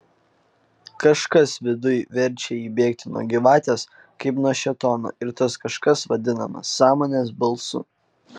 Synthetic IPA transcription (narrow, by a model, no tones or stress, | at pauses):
kɐʃkɐsʋʲɪd̪ʊjʋʲɛɾʲˑt͡ʃʲɛiːbʲeːkt̪ʲɪnuɔ̰ɡʲɪʋɑːt̪ʲeːs | kɐɪpnuɔʃʲɛt̪ɔno̰ːɪɾt̪ɐskɐʃkɐsʋɐd̪ʲɪnɐ̰mɐ̰sːɑːmoːnʲeːsbɐlˠsʊ̰